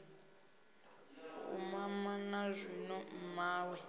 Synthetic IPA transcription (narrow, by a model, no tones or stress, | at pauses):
ṵmamanazʷinɔmaːwɛ